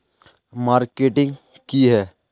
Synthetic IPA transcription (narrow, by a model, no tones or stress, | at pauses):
maːɾkeːʈɪ̃ŋɡ | kiɦɛː